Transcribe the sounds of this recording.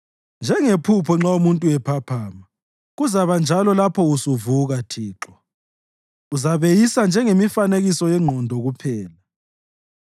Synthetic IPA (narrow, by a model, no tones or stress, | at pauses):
nd͡ʒʱɛŋepʰupʰɔŋ͡ǁaumuntʼuwɛpʰapʰaːma | ɣuzaβand͡ʒʱalɔlapʰɔusuvuɣatʰiːǁɔ | uzaβejisand͡ʒʱɛŋemifaneɣisɔjɛŋ͡ǃʱɔndʱɔɣupʰɛːla